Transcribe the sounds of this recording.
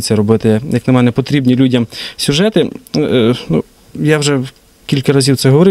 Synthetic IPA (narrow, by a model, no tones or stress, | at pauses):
t͡sʲːɐɾɔbɪt̪ɪjɐknɐmɛnɛpɔt̪ɾʲibnʲilʲudʲɐmsʲʊʒɛt̪ɪ | nṵ | jawʒɛ | kʲilʲkɐɾɐzʲiwt̪sɛɦɔʋɔɾɪ